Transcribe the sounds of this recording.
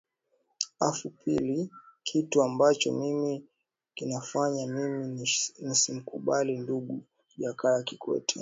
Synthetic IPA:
afupilikʰituambat͡ʃɔ̰mimi | kinafaɲamiminisim̩kuɓalinduɠu | ʄakaakikʰɔ̰tʰɛ

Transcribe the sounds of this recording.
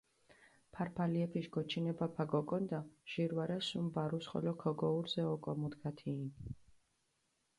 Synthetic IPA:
pʰaɾpʰaliɛpʰiʃɡɔt͡ʃʰinɛbapʰaɡɔkʼɔnd̪aʒ̥iɾwaɾɛsumbaɾusχɔ̰lɔkʰɔɡɔuɾzɛɔkʼɔmud̪ɡat̪ʰiːn

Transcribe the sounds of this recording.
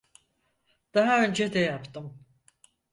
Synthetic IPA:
d̪̥aɦaø̞nd͡ʒɛd̪ɛjapt̪ʰɯm

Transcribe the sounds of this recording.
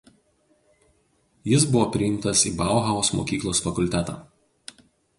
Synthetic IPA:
jɪsbʊʋoːpʲɾʲɪjɪmt̪ɐsiːbɑˑʊɦɑɔsmo̰ːkʲiːklˠoːsfɐkʊlʲt̪ʲɛt̪ɑ̰ː

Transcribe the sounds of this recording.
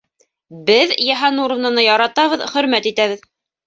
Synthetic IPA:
bɘðjæɦɑnuɾɤ̆vnɤ̆nɤjɑɾɑt̪ɑβɤðχɵ̆ɾmæt̪it̪æβɘð

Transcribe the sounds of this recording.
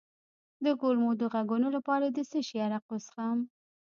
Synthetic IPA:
d̪əɡolmod̪əɣaɡunolapɑɾad̪əsəʃijɑɾaqosxam

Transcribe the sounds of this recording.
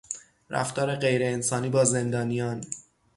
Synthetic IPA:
ɾʔæ̰ft̪ɒːɾeɢe̞jɾe̞ːnsɒːniːbɒːze̞nd̪ɒːnijɒːn

